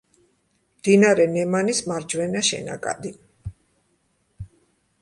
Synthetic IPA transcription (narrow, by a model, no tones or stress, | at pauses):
md̪inaɾɛnɛmanismaɾd͡ʒwɛnaʃɛ̰na̰kʼa̰d̪i